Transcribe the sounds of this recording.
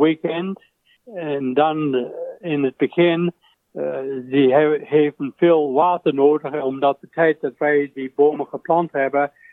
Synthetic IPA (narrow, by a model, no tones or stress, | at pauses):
wikɛnd | ɛndɑnɪnət̚b̥əkʰɪn | ziheːfn̩feːlˠwaːtənoːdəχɔmdɔt̚ətʰɛɪt̚d̥ɔtʋɛɪdiboːməχəpʰlɑnthɛbə